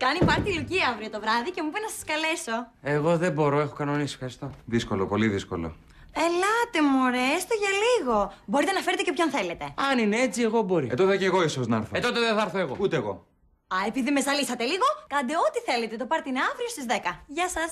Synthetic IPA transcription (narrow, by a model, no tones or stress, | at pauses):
kɐnipɐɾt̪iɾciɐvɾiot̪o̞vɾɐðice̞mupinɐsɐskɐle̞so̞e̞ɣo̞ðe̞bo̞ɾoe̞xo̞kɐno̞nisi̥fxɐɾist̪o̞ðiskolopo̞liðisko̞̰lo̰ | elɐt̪e̞moɾest̪oʝɐliɣo̞bo̞ɾit̪enɐfeɾet̪ecepçonθe̞le̞t̪e̞ɐninee̞t͡sie̞ɣo̞bo̞ɾiḛt̪oðoceɣo̞isoznɐɐɾθet̪ot̪eðeθɐɐɾθoeɣout̪eːɣo̞̰ | ɐe̞piðime̞zɐlisɐt̪e̞liɣo̞kɐnd̪e̞ot̪iθe̞let̪et̪o̞pɐɾt̪eineɐvɾiost̪izðe̞kɐʝɐsɐs